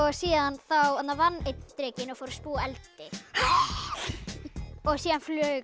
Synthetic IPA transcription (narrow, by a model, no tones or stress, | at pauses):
ɔɣsiːðaanθawat̪naɾvanːet̪t̪ɾɛːcɪnɔɣfowɾaspuːaɛlt̪ɪ | ɔɣsiːðanflœːɥ